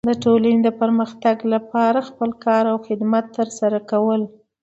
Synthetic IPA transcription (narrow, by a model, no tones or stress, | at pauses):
d̪əʈolaned̪əpəɾməxt̪aɡlapɑɾaxpəlkɑɾawxɪd̪mat̪ːəɾsaɾakawəl